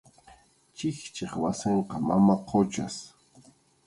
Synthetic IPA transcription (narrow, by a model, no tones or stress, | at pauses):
t͡ʃɪxt͡ʃeχwaseɴqɑmamaqʰot͡ʃa̰s